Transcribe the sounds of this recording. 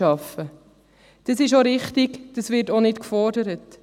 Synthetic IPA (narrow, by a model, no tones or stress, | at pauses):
ɑfə | d̥əsɪʃoɾɪχtɪɡd̥əsvɪtonɪtkfɔrdəɾət